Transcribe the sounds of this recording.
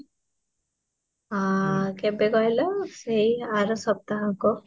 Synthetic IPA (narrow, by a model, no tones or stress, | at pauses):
akebeɡʌjlʌsejaɾɔsʌb̚t̪aɦãko